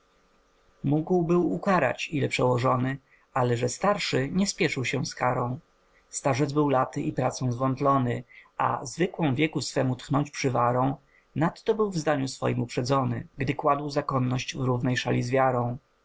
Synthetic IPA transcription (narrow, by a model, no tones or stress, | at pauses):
muɡwbɘwukaɾa̰t͡ɕilɛpʂɛwɔʐɔnɘ | alɛʐɛst̪aɾʂɘɲɛspʲjɛʂɘwɕɛ̃skaɾɔ̃w̃ | st̪aʐɛd̪zbɘwlat̪ɘʔipɾat̪sɔ̃w̃zvɔnt̪lɔnɘa̰zvɘkwɔ̃w̃vʲjɛkusfɛmut̪xnɔɲt͡ɕpʂɘvaɾɔ̃w̃ | nat̪ːɔbɘwvzd̪aɲusfɔ̰jimupʂɛd̪zɔnɘ̰ɡd̪ɘkwad̪wzakɔnːɔɕt͡ɕvɾuvnɛjʂalʲizvʲjaɾɔ̃w̃